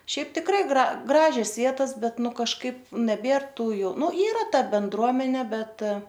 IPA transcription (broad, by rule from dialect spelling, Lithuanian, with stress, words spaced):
ˈʃʲɛɪp tʲɪkˈrɐɪ ˈɡrɐ ˈɡrɑːʒʲɛs ˈʋʲiɛtɐs ˈbʲɛt ˈnʊ kɐʃˈkɐɪp nʲɛˈbʲeːr ˈtuː jɛʊ ˈnʊ ˈiːrɐ ˈtɐ bʲɛnˈdruɔmʲɛnʲeː ˈbʲɛt